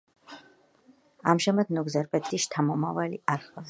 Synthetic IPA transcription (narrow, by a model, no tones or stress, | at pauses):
a̰mʃɛmad̪nɔɡzɛɾpʼɛt̪ʰʼiʃt̪ʰamɔmavaliaɾχa